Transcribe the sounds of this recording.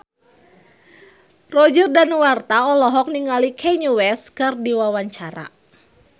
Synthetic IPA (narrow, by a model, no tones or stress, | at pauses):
rɔd͡ʒərdanwart̪aɔlɔɦɔk̚niŋalikʰɛɲuwɛskɨrdiwawaɲt͡ʃaɾa̰